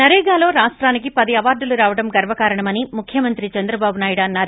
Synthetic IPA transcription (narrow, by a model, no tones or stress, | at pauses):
nɐɾɛːɡaːlo̞ːɾaːʂʈɾaːnikipɐd̪iɐʋaːɾɖuluɾaːʋɐɽɐmɡɐɾʋɐkaːɾɐɳɐmɐnimukʰjɐmɐnt̪ɾit͡ʃɐnd̪ɾɐbaːbunaːjuɽɐnːaːɾ